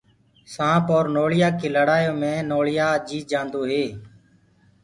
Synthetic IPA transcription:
sãːpɔːɾnoːɭɪjaːkeːləɽaːjõːmẽːnoːɭɪjaːd͡ʒiːd͡ʒãːnd̪oːɦeː

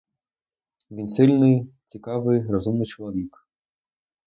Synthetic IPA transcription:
vʲinʲsɨlʲnɨjt͡sʲikavɨjrazumnɨjt͡ʃɔlˠɔvʲik

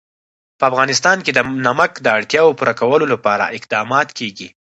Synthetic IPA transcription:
pəafɣɑnɪst̪ɑnked̪ənaməkd̪əaɽt̪jɑwopuɾakawəlolapɑɾa̰ʔɪqd̪ɑmɑt̪keɡi

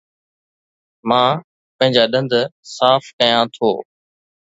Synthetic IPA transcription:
mãː | pɐ̃ɦɪ̃ɲd͡ʑaːɗɐ̃nd̪saːfkɐjãt̪ʰoː

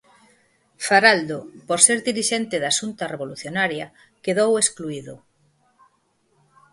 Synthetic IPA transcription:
faɾald̪opoɾseɾðiɾiʃent̪ɪðasunt̪ɐreβ̞oluθjonaɾja | keðoweskluiðʊ

